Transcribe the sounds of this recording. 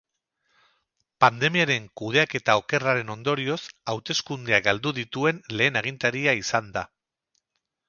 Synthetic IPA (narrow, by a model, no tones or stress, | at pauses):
pand̪e̞miaɾe̞ŋkuð̞e̞ake̞t̪ao̞ke̞raɾe̞no̞nd̪o̞ɾio̞sawt̪e̞skund̪e̞aɡald̪uðit̪ue̞nle̞ːnaɣ̞int̪aɾiaisand̪a